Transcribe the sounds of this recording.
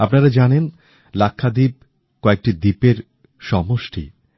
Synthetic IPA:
apnaɾad͡ʑanen | lakʰːad̪ib̚ | koek̚ʈid̪ipeɾ | ʃɔmoʃʈʰḭ

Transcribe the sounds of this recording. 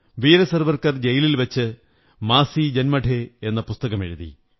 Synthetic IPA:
ʋiːɾɐsɐrʋɐrkɐrd͡ʑejililʋɐt͡ɕːɨ | maːsid͡ʑɐnmɐʈʰeenːɐpust̪ɐɣɐmḛɻuðḭ

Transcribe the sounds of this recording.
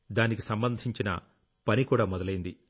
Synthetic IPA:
d̪aːnikisɐmbɐnd̪ʱiɲt͡ʃinɐ̰ | pɐnikuːɽaːmɔd̪ɐlɐjind̪i

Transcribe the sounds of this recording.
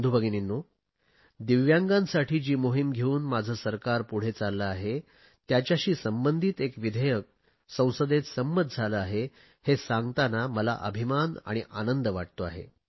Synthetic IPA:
d̪ʱubʱəɡininːu | d̪iʋjaŋɡãnsaʈʰiːd͡ʑiːmoɦimɡʱeuːnmad͡zʱəːsəɾkaɾpuɽ̤et͡salːəaɦe | t̪jat͡ɕjaɕiːsəmbənd̪ʱiːt̪ekʋid̪ʱəjək̚ | sə̃w̃səd̪et̪səmbət̪̚d͡zʱaləaɦe | hesãŋɡt̪anaməla̰ʔə̰bʱimana̰ɽ̃iʔa̰nənd̪əʋaʈ̚t̪oa̰ɦḛ

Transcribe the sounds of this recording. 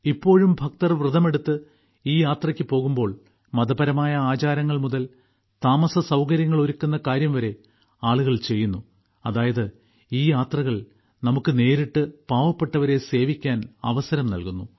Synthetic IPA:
ipːo̞ːɻumbʱɐk̚t̪ɐrʋrɨðɐme̞ɽut̪ːɨ | iːjaːt̪rɐkʲːɨpo̞ːɣumbo̞ːɭ | mɐðɐbɐɾɐmaːjɐaːt͡ɕaːɾɐŋːɐɭmuðɐl | t̪aːmɐsɐsɐwkɐɾjɐŋːɐɭoɾukʲːunːɐkaːɾjɐmʋɐɾe̞ | aːɭuɣɐɭt͡ɕe̞jːunːu | ɐðaːjɐðɨ | iːjaːt̪rɐɣɐɭ | nɐmukːɨne̞ːɾiʈːɨpaːʋɐpːe̞ʈːɐʋɐɾe̞se̞ːʋikʲːaːnɐ̰ʋɐsɐɾɐmnɐ̰lkunːu

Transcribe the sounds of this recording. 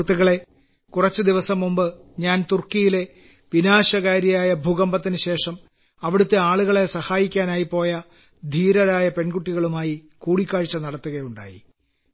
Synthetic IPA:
t̪ːuɣɐɭe̞ | kurɐt͡ɕːɨd̪iʋɐsɐmːumbɨɲaːnt̪urkːijile̞ | ʋinaːɕɐɣaːɾjɐjaːjɐbʱuɣɐmbɐt̪ːinɨɕe̞ːʂɐm | ɐʋiɽut̪ːeaːɭuɣɐɭe̞sɐhaːjikʲːaːnaːjipo̞ːjɐ | d̪ʱiːɾɐɾaːjɐpe̞nɡuʈːiɣɐɭumaːji | kuːɽikʲːaːɻt͡ɕːɐnɐɽɐt̪ːuɣɐjuɳɖa̰ːjḭ

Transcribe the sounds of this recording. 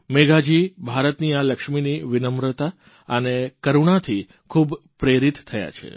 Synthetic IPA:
meɡad͡ʒibʱaɾət̪nialəkʃminiʋɪnəmɾət̪a | ənekəɾuɳ̃at̪ʰi | kʰubpɾeɾit̪tʰːəja̰t͡ʃʰḛ

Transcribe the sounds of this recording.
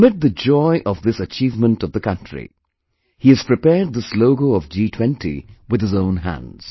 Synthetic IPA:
mɪt̪̚ðɨd͡ʒɔɪʔʌvðɪsɨt͡ʃiːvmə̃ntʌvðəkʌ̃ntɹ̥ḭ | hiɨz̥pɹ̥ɨpɛːɹd̪̚ðəsloʊɡoʊʌvd͡ʒiːtʰw̥ɛ̃ntʰḭwɨðɨzõʊ̃nɦæ̰̃ndz̥

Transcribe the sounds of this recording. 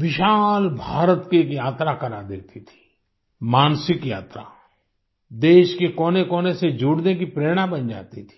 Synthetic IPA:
ʋɪʃaːlbʱaːɾət̪kekjaːt̪ɾakɐɾad̪eːt̪it̪ʰi̥ː | maːnsɪkjaːt̪ɾa̰ | d̪eːʃkekoːnekoːnesed͡ʒuːɽnekipɾeːɽ̃abɐnd͡ʒa̰ːt̪it̪ʰi̥ː

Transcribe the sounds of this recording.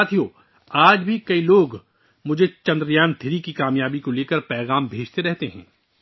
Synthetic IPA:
aːt̪ʰijoː | aːd͡ʒbʱikɐiloːɡ | mʊd͡ʒʱet͡ʃɐ̃nd̪ɾjaːnt̪ʰɪɾikikaːmjaːbikoleːkəɾpɛːɣaːmbʱeːd͡ʒt̪eɾɛɦt̪eɦɛ̃ː

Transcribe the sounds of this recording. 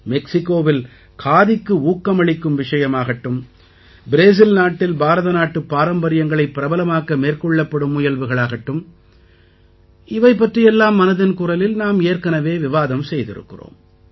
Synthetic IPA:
mɛksɪkːoːʋɪl | kʰaːðɪkːɯuːkːɐmɐɭɪkːɯmʋɪʂɐjɐmaːɣɐʈːɯm | bɪɾeːs̬ɪlnaːʈːɪlbaːɾɐðɐnaːʈːɯpːaːɾɐmbɐɾɪjɐŋɡɐɭɐɪpːɪɾɐbɐlɐmaːkɐmeːrkɔɭːɐpːɐɽɯmʊjɐlʋɯɣɐɭaːɣɐʈːɯm | ɪʋɐɪp̬ːɐʈrɪjɛlːaːmːɐnɐðɐnkuːɾɐlɪlnaːmeːɾkɐnɐʋeːʋɪʋaːðɐmsɛjðɪ̰ɾɯ̰kːɪ̰ro̰ːm

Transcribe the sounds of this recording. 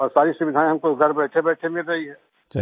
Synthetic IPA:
ɔːɾsaːɾisʊbɪd̪ʱaːẽɦɐmkoɡʱɐɾbɛːʈʰebɛːʈʰemɪlɾɐɦiɦɛː | t͡ʃ

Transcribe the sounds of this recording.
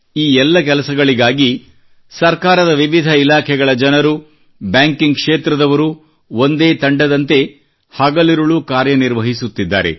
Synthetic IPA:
iːɛlːɐk̬ɛlɐsɐɡɐɭiɡaːɡi | sɐɾkaːɾɐd̪ɐʋiʋid̪ʱɐilaːkʰɛɡɐɭɐd͡ʒɐnɐɾu | bjaːŋkiŋɡkʂeːt̪ɾɐd̪ɐʋɐɾu | o̞nd̪eːt̪ɐɳɖɐd̪ɐnt̪e̞ | hɐɡɐliɾuɭukaːɾjɐniɾʋɐɦisut̪ːid̪ːa̰ːɾe̞̰

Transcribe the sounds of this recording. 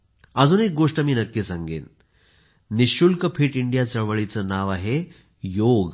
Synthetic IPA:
əd͡zuːnek̚ɡoʂʈəmiːnəkːesãŋɡḛːn | niɕulkəpʰiʈiɳɖijat͡səɭʋəɭit͡sənaʋaɦe | joɡ

